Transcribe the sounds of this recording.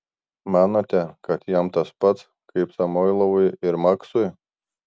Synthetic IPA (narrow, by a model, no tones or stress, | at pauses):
mɑːnot̪ʲɛkɐt̪jɛmt̪ɐspɐt̪s | kʰɐɪpsɐmɔːɪlˠɐʋʊjɪɾmɐksʊɪ